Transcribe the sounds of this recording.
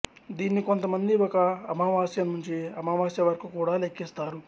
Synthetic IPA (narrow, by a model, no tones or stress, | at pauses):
d̪iːnːiko̞nt̪ɐmɐnd̪iɔkɐːmaʋaːsjɐmnuɲt͡ʃiɐmaːʋaːsjɐʋɐɾɐkukuːɽaːlekːist̪aːɾu